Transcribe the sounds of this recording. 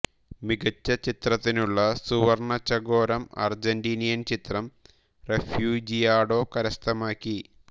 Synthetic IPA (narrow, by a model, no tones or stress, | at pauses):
miɡɐt͡ɕːɐt͡ɕit̪rɐt̪ːinuɭːɐsuʋɐrɳɐt͡ɕːɐɡo̞ːɾɐmɐ̰rd͡ʑɐndiːnijɐnt͡ɕit̪rɐm | refjuːd͡ʑijaːɽo̞ːkɐɾɐst̪ʰɐmaːkʲːi